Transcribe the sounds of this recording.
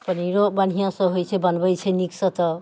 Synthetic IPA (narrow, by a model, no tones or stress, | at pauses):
pʌniɾoban̤ijãsʌ̃ɦojt͡sʰebʌnbʌjt͡sʰeniksʌt̪ʌ